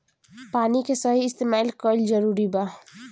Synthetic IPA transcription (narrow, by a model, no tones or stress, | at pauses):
paːnikesəɦiɪst̪eːmaːlkɔlzəɾuːɾibaː